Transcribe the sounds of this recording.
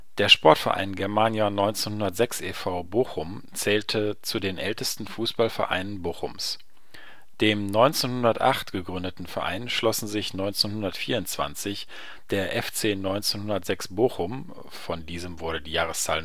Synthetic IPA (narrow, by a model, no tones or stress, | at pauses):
d̥eːɐʃpɔɐtfɛɐʔa̰ɪnɡɛɐmaːnjanɔʏnt͡senhʊndɐtz̥ɛksʔeːfaʊboːxʊm | t͡sɛːltʰət͡sudeːnʔɛltəstn̩fuːsb̥alfɛɐʔa̰ɪnənboːxʊ̰ms | d̥eːmnɔʏnt͡seːnhʊndɐtʔa̰χtɡ̥əɡʁʏndətn̩fɛɐʔa̰ɪnʃlɔsn̩zɪçnɔʏnt͡senhʊndɐtfiːɐʊnt͡sv̥a̰nt͡sɪç | d̥eːɐʔɛft͡seːnɔʏnt͡senhʊndɐtz̥ɛksb̥oːxʊm | fɔndiːzəmvʊɐɾədiːjaːʁ̞əst͡saːl